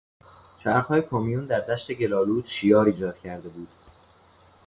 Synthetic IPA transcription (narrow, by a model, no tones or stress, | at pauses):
t͡ʃʰæɾxhɒːjekʰomijund̪æɾd̪æʃt̪e̞ɟe̞lɒːluːd̪ʃijɒːɾiːd͡ʒɒːd̪̥cʰæɾd̪e̞buːd̪̥